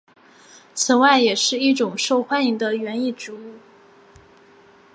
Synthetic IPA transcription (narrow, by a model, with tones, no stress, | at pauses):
t͡s̩ʰ˨˩nwa˥˩ɪjɛ˨˩ʂɻ̩˥˧i˥˩ʈ͡ʂʊ˨˩ŋʂo˥˧ʊxwa˥˧ni˧˥ŋd̪ə˨ɥɛ˧˥ni˥˩ʈ͡ʂɻ̩˧˥u˥˩